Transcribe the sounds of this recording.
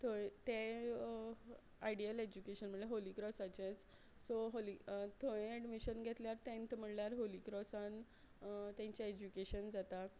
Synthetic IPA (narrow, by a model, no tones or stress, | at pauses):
t̪ʰot̪e | ajɖiəled͡ʑukeɕənm̤əɳeɦolikɾɔsat͡ɕet͡s | soɦolit̪ʰoẽɛɖmiɕənɡʱet̪ljaɾt̪ɛ̃nt̪m̤əɳljaɾɦolikɾɔsãn | t̪ẽɲt͡ɕjaed͡ʑukeɕənd͡zat̪a